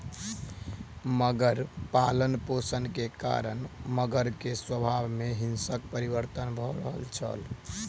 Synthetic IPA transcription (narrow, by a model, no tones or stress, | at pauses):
məɡəɾpalənposənkeka̰ɾənməɡəɾkeswəbʱabmeɦinsək̚pəɾibəɾt̪ənbʱɔɾəɦə̰lt͡ʃʰə̰l